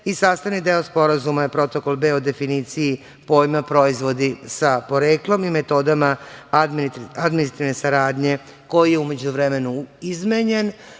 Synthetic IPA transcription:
isaːst̪aʋnid̪eospo̞ɾazumajepɾo̞t̪o̞ko̞lˠbe̞ːod̪e̞finit̪siji | po̞jmapɾo̞izʋo̞d̪isapo̞ɾeːklˠo̞mime̞t̪o̞d̪ama | ad̪minisɾat̪iʋne̞saɾaːd̪ɲe̞ | ko̞jije̞ume̞d͡ʑuʋɾeme̞nuizmeɲen

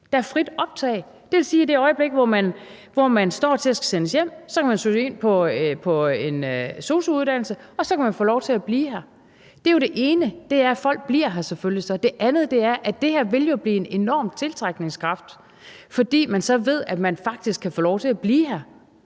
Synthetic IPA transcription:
d̥ɑæɐfʁid̥ɒ̽b̥̚t͡sʰɛ̰ːɪ | d̥e̝ʋe̝lsiːid̥e̝ɒ̽ɪəb̥le̝ɡ̥əʋɒmæn | ʋɒmænsd̥ɒ̰ːt͡sʰe̝æsɡ̥æ̥senəsjem̰sɒ̽kʰæmænsuse̝n̰pʰɒ̽pʰɒ̽enso̝ːsuuðˠd̥æn̰l̩səɒ̽sɒ̽kʰæmænfoːlɒʊt͡sʰe̝æb̥liːɦæɐ | d̥e̝jo̝ɾ̥e̝ʔe̝ːnəd̥e̝æɐfɒ̽l̰ɡ̥̚b̥liɐ̰ɦæɐseføllisɒ̽d̥e̝ʔænð̞̩ˠd̥e̝æɐʔæd̥e̝hæɐʋe̝ljo̝b̥lḭːe̝ne̝nɒ̰ːmt͡sʰe̝lt͡sʰʁɑɡ̥ne̝ŋskʰʁɑ̈fd̥ | fɒ̽d̥ḭːmænsɒ̽ʋe̝ð̞̰ˠæ̥mænfɑ̈ɡ̥̚d̥isɡ̥kʰːæfɔːlɒʊt͡sʰe̝æb̥liːɦæɐ

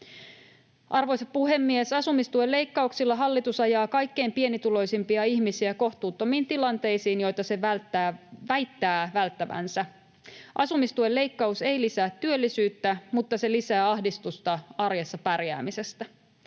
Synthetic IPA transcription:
ʔɑrʋo̞jseppuɦe̞mːiesɑsumist̪uele̞jkːɑuksilːɑɦɑlːit̪usɑjɑːkɑjkːe̞impie̞nit̪ulo̞jsimpiɑiçmisiæko̞ht̪uːt̪ːo̞miːnt̪ilɑnt̪e̞jsiːnjo̞jt̪ɑse̞ʋælt̪ːæːʋæjt̪ːæːʋælt̪ːæʋæ̰nsæ | ʔɑsumist̪uelːe̞ijkːɑuse̞jlisæːt̪ːyølːisyːt̪ːæmut̪ːɑse̞lisæːɑhdist̪ust̪ɑɑrjesːɑpærjæ̰ːmise̞st̪æ

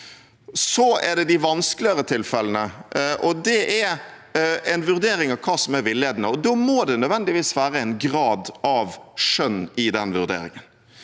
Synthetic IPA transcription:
sɔæɖ̪ɛd̪ɪʋɑnsklɪəɾət̪ʰɪlfɛlənəʔɔd̪ɛʔɛɾ | ɛnʋʉɾd̪eːɾɪŋɑʋkʰɑːsɔmæɾʋɪlːɪeːd̪nəɔd̪ɔːmoːd̪ɛnœʋɛnd̪ɪʋiːsʋæːɾəɛɪnɡɾɑːd̪ɑʋʂœnːɪd̪ɛnʋʉɾd̪ḛːɾɪ̰ŋən

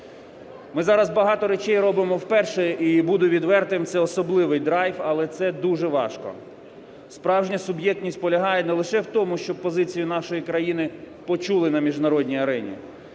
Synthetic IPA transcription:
mɪzɑɾɐzbɐɦɑt̪ɔɾet͡ʃɛjrɔbɪmɔwpɛrʃɛibud̪ʊʋʲid̪ʋɛrt̪ɪmt̪sʲɛɔsɔblˠɪʋɪjd̪ɾɑjfɐlˠɛt̪sɛd̪uʒɛʋɑ̰ʃkɔ̰ | spɾɑwʒnʲɐsʊbjɛk̚t̪ʲnʲisʲt̚ʲpɔlʲɐɦɑjɛnɛlˠɪʃɛwt̪ɔmʊʃt͡ʃɔb̚pɔzɪt͡sʲijʊnɑʃɔjikɾɐjinɪ | pɔt͡ʃulˠɪnɐmʲiʒnɐɾɔdʲnʲijɐɾɛnʲḭ

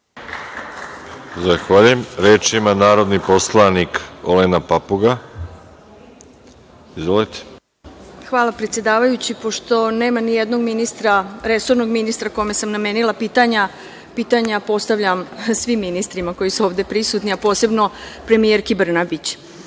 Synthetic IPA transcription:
zaxʋaʎujemɾeːt͡ʃimanaːɾo̞d̪niposlˠanikolenapapuɡa | izʋolit̪e̥ | xʋaːlˠapɾet̪sje̞d̪aːʋajut͡ɕipo̞ʃt̪o̞ne̞ːmanijed̪no̞ɡminist̪ɾaɾe̞so̞ɾno̞ɡminist̪ɾako̞me̞samname̞nilˠapiːt̪aɲa | piːt̪aɲapo̞st̪aʋʎamsʋimːinist̪ɾimako̞jisuo̞ːʋd̪e̞pɾisut̪niapo̞ːse̞bno̞pɾe̞mijeɾkibr̩nabit͡ɕ

